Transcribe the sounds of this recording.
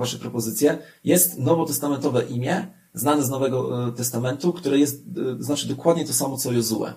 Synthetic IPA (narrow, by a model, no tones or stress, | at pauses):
vaʂɛpɾɔpɔzɘt̪sʲjɛjɛst̪nɔvɔt̪ɛst̪amɛnt̪ɔvɛʔimʲjɛ | znanɛznɔvɛɡɔt̪ɛst̪amɛnt̪ukt̪uɾɛjɛst̪znat͡ʂɘd̪ɔkwad̪ɲɛt̪ɔsamɔt̪sɔjuzuɛ̰